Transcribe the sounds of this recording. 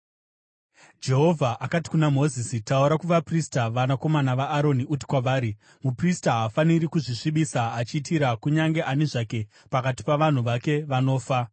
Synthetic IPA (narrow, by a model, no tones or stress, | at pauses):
d͡ʒe̞ɦo̞vʱaʔakati̥kunamo̞zisitauɾakuʋapristaʋanako̞manaʋaːɾo̞niut̬i̥kwaʋaːɾi | mupristaɦafaniɾikuʐiʂiɓisaat͡ʃiːtiɾakuɲaŋɡe̞ʔaneʐake̞ | pakati̥paʋan̤uʋake̞ʋano̞ːfa